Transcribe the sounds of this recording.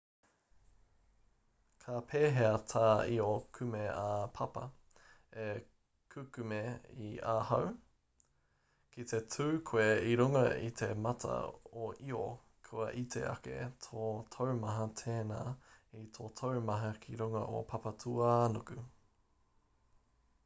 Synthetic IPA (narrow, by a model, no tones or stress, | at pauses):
kʰɐpʰeːɦeɐt̪ʰaːiokʰʉmeapʰɐpɐ̰ | e | kʰʉkʉmeiaːhɐw | kʰit̪etʰuːkʰweiɾuŋɐḭt̪ʰemɐtʰɐ̰oʔio | kʰoɐʔit̪ʰḛʔɐ̰kḛtʰoːt̪ʰowmɐɦɐt̪ʰeːnaːit̪ʰoːt̪ʰowmɐɦɐkʰiɾuŋɐ̰ʔo̰pʰɐpɐtʰuanokʉ